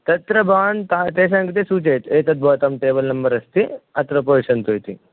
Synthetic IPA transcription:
t̪ɐt̪ɾɐbaːnt̪aːt̪eːʃ̬ãŋkit̪̬esuːt͡ʃeːt̪eːt̪ɐt̪̚bʱɐːt̪ɐmʈeːbɐlnɐmbɐɾɐst̪iɐt̪ɾɐpoːʃɐnt̪ojt̪ḭ

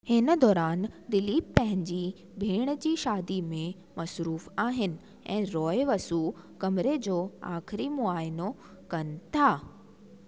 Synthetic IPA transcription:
hɪnəd̪ɔːɾaːnd̪ɪliːppɐ̃ɦɪ̃ɲd͡ʑiː | bʱeːɽ̃d͡ʑiːʃaːd̪imẽ | mɐsɾuːfaːɦɪnɪ̆ | ɛ̃ːɾɔːeʋɐsu | kɐmɪɾed͡ʑoːa̰ːxɪɾimʊaːɪno | kɐnɪ̆t̪ʰaː

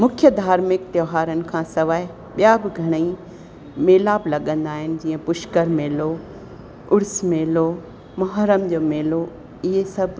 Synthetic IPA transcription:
mʊkʰjəd̪ʱaːɾmɪk̚t̪joːɦaːɾənɪ̆kʰãːsɐʋaːɪ | ɓijabɪɡʱɐɽ̃əi | meːlaːblɐɠə̃nd̪aːɦɪnɪ̆d͡ʑiːə̃pʊʃkəɾmeːlo | ʊɾsmeːlo | mɐɦaːɾəmd͡ʑoːmeːlo | ɪɦesɐbʱ

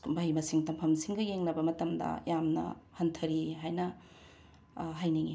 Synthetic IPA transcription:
bʱajmɐsiŋtɐmpʰɐmsiŋɡɐjeŋlɐbɐmɐtɐmdɐ̰jamnɐ̰hɐntʰɐɾiɦajnɐ | ɦajniŋi

